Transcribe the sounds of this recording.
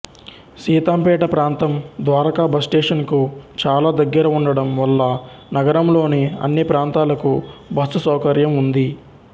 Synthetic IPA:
siːt̪aːmpɛːʈɐpɾaːnt̪ɐmd̪ʋaːɾɐkaːbɐsʈeːʂɐnkut͡ʃaːlaːd̪ɐɡːɐɾɐuɳɖɐɽɐmʋɐlːɐ | nɐɡɐɾɐmlo̞ːneːɐ̰nːipɾaːnt̪aːlɐkubɐsusɐwkɐɾjɐmund̪i

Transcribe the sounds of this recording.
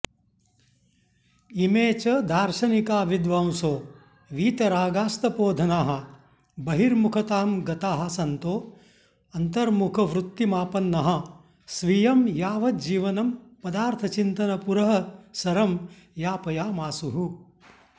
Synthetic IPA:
imeːt͡ʃɐd̪ʱaːɾʃɐnikaːʋid̪ʋaːwsoː | ʋiːt̪ɐɾaːɡaːst̪ɐpoːd̪ʱɐnaːɦɐ̆ | bɐɦiɾmukʰɐt̪aːmɡɐt̪aːɦɐ̆sɐnt̪oː | ɐnt̪ɐɾmukʰɐʋɾut̪ːimaːpɐnːɐɦɐ̆ | sʋijɐmjaːʋɐt̪d͡ʒiːʋɐnɐmpɐd̪aːɾt̪ʰɐt͡ʃint̪ɐnɐpuɾɐɦɐsɐɾɐm | jaːpɐjaːmaːsuɦu

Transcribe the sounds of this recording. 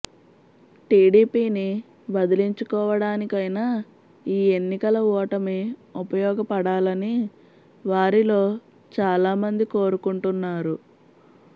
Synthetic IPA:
ʈiːɽiːpiːni | bɐd̪iliɲt͡ʃukɔːʋɐɽaːnikɐjnaː | iːe̞nːikɐlɐɔːʈɐmeupɐjɔːɡɐpɐɽaːlɐni | ʋaːɾilo̞ː | t͡ʃaːlaːmɐnd̪iko̞ːɾukuɳʈunːaːɾu

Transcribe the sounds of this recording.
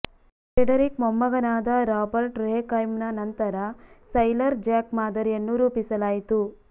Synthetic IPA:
ʈɾeɖɐɾikmɔmːɐɡɐnaːd̪ɐɾaːbɐɾʈɾeːkɐjmnɐnɐnt̪ɐɾɐsɐjlɐɾd͡ʒaːkmaːd̪ɐɾijɐnːuɾuːpisɐlaːjit̪u

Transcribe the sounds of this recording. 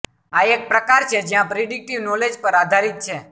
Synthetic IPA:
aek̚pɾəkaɾt͡ʃʰed͡ʒjãpɾiɖik̚ʈiʋnɔled͡ʒpəɾad̪ʱaɾit̪̚t͡ʃʰe

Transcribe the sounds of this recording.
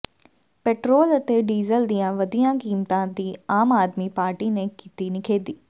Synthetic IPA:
peːʈɾoːlɐt̪eɖiːzəld̪ijãʋɐd̪ijãkiːmt̪ãd̪iːaːmaːd̪mipaːɾʈinekiːt̪inɪkʰeːd̪iː

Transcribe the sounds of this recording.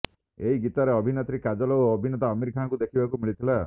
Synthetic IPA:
eɦiɡit̪aɾeɔbʱinet̪ɾikad͡ʒɔlɔɔbʱinet̪aɔmiɾkʰãkud̪ekʰibakumiɭit̪ʰila

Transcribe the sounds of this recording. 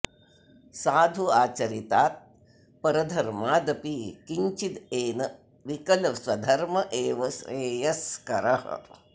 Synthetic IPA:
saːd̪ʱuaːt͡ʃɐɾit̪aːt̪̚ | pɐɾɐd̪ʱɐɾmaːd̪ɐpikiɲt͡ʃid̪eːnɐ | ʋikɐlswɐd̪ʱɐɾmɐʔeːʋɐsɾeːjɐskɐɾɐhɐ̰

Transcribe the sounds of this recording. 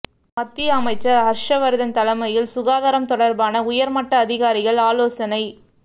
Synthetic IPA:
mɐt̪ːɪjɐɐmɐɪt͡ʃːɐɦɐɾʂɐʋɐɾɯðɐnt̪ɐlɐmɐjɪlsʊɣaːðaːɾɐmt̪ɔɽɐɾbaːnɐʊjɐɾmɐʈːɐːðɪɣaːɾɪɣɐɭaːloːsɐnɐɪ

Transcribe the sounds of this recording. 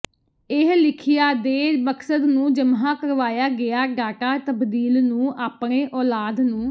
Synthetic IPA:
ɪɦlɪkʰɪjaːd̪eːməksəd̪nũːd͡ʒəmɦãːkəɾʋaːjaːɡɪaːɡaːʈaːt̪əbd̪iːlnũːʔaːpɳeːʔɔːlaːd̪nũː

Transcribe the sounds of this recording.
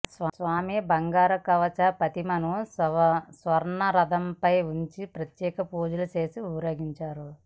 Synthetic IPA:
ssʋaːmibɐŋɡaːɾɐkɐʋɐt͡ʃɐpɐt̪imɐnussʋɐɾɳɐɾɐd̪ɐmpɐjuɲt͡ʃipɾɐt̪jɛːkɐpuːd͡ʒulɐt͡ʃeːsiuɐɾjoːɡiɲt͡ʃaːɾu

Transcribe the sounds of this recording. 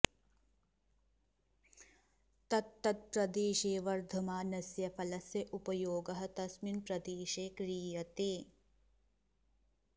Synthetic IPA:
t̪ɐt̪̚t̪ːɐt̪̚pɾɐd̪iːʃeːʋɐɾd̪ʱɐmaːnɐsjɐpʰɐlɐsjɐʔupɐjoːɡɐɦɐ̆t̪ɐsminpɾɐd̪iːʃeːkɾiːjɐt̪e

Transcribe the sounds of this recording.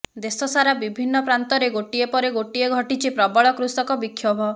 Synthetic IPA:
d̪esɔsaɾabibʱinːɔpɾant̪ɔɾeɡoʈiepɔɾeɡoʈieɡʱɔʈit͡ʃʰipɾɔbɔɭɔkɾusɔkɔbikʰːjɔbʱɔ

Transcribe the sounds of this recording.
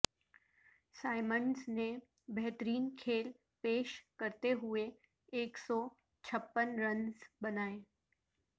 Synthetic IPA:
saːɪmənzne | bɛɦt̪əɾiːnkʰeːl | peːʃkəɾt̪eɦʊeː | ksɔ | t͡ʃʰɐpːənɾənzbɐnaːeː

